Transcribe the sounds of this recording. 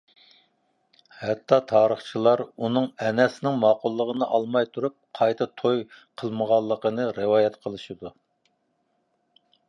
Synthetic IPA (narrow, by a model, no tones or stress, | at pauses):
hɛt̪ʰːɑt̪ʰɑːɾəχt͡ʃʰilˠɑɾunɨŋɛnɛsɪnɪŋmɑːqʊlˠːəʁənɨʔɑlˠmɑjt̪ʰuɾup̚qʰɑjt̪ʰɨt̪ʰojqʰəlˠməʁɑlˠːəqənɨɾɨwɑːjɛt̪qʰəlˠɨʃid̪u